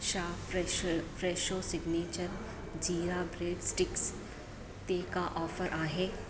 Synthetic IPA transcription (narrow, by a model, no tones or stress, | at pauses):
ʃaː | fɾeːʃoːsɪɡneːt͡ʃəɾ | d͡ʒiːɾabɾeːɖsʈɪks | t̪eːkaʔɔːfəɾʔaːɦeː